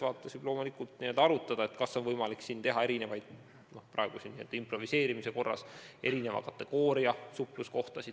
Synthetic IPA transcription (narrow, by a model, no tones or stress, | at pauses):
vɑːt̪ːˑesib̥lo̞ːmulikult̪niəld̥̪ɑɑɾut̪ːˑɑd̪̥ɑe̞t̪kɑsːo̞nvɤjmɑliksint̪e̞ɦɑe̞ɾine̞vɑjd̪̥̚ | no̞hprɑ̰eɡ̥usiniḛld̪̥ɑimpro̞vise̞ːɾimise̞ko̞rːɑ̰sʔe̞ɾine̞vɑ̰kɑt̪ːˑe̞ɡ̥o̞ːɾiɑsuplusko̞ht̪ɑsi